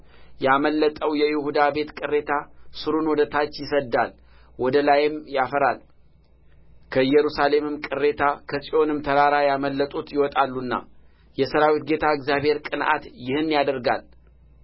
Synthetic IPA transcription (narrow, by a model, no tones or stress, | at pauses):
jaməlːət̪ʼəwjɛjɪhud̪abe̞t̪kʼɨrːe̞t̪ʰasɨɾunwɔd̪ət̪ʰat͡ʃːjɪsəd̪ːal | wɔd̪əlajɪmjafəɾal | kʰəjɛɾusale̞mɨmkʼɨre̞t̪ʰakʰəsʼiʔo̞nɨmt̪ʰəɾaɾajaməlːət̪ʼut̪jɪwɔt̪ʼalːunːa̰ | jɛsəɾawit̪̚ɡe̞t̪ʰaəɡzjabhe̞ɾkʼɨnʔa̰t̪jɪhɨnːjad̪əɾɡa̰l